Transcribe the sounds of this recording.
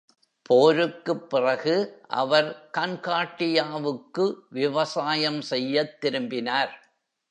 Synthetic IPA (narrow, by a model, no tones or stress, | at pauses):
poːɾɯkːɯpːɪrɐɣɯʔɐ̰ʋɐɾkɐnkaːʈːɪjaːʋɯkːɯʋɪʋɐsaːjɐmsɛjːɐt̪ːɪɾɯmbɪnaːɾ